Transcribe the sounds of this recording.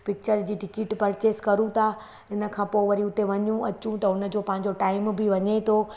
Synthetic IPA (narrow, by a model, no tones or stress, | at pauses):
pɪk̚t͡ɕəɾd͡ʑiːʈɪkɪʈpɐɾt͡ɕeːskɐɾũt̪ʰa | ɪnə̆kʰãːpoːʋɐɾiʊt̪eʋɐɲũɐt͡ɕũt̪ɐʊnə̆d͡ʑoːpɐ̃ɦɪ̃ɲ̆d͡ʑoʈaːɪmbʱɪʋɐɲet̪ʰo